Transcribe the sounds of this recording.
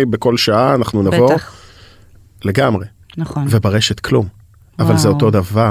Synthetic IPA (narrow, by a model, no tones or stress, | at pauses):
beko̞lʃaaːnaχnunavo̞ | le̞ɡamʁe̞ | nvebaʁeʃet̪kʰlum | avalzeo̞to̞d̪ava